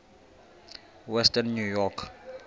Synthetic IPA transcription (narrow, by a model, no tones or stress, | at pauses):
wɛstɛnːujɔkʰ